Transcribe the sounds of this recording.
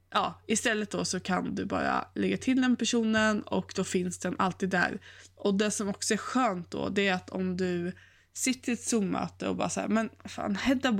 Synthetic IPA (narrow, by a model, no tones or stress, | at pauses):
jʔɑ̰ːɪst̪ɛlːət̪̚d̪ɔsɔkʰand̪ɵbɑ̰ːɾa̰lɛɡːat̪ʰɪld̪ɛnpæʂuːnənɔ̰kd̪ɔfɪnsd̪ɛnʔalt̪iːd̪ːæ̰ːɾʔɔd̪ɛsɔmɔksɔæɾɧøːnt̪̚d̪ɔ̰d̪ɛæɾat̪ʰɔmd̪ɵ | sɪt̪ʰːəɾt̪suːmmːœ̰ːt̪əɔ̰bɑ̰ːɾasæːɾmɛnafa̰ːnhɛd̪æb